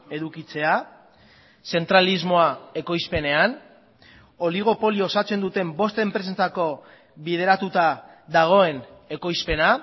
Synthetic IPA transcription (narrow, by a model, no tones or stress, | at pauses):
e̞ðukit͡se̞a | se̞nt̪ɾalizmo̞ae̞ko̞jspe̞ne̞an | o̞liɣ̞o̞po̞liosat͡se̞nd̪ut̪e̞mbo̞st̪e̞mpɾes̬ent͡sako̞ | βiðe̞ɾat̪ut̪a | ðaɣ̞o̞e̞ne̞ko̞jspe̞na